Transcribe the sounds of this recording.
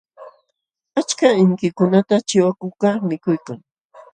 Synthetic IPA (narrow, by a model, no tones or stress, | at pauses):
at͡ʃkaɪŋkɪkʊnat̪at͡ʃɪwakʊkɑχmɪkʊjkaŋ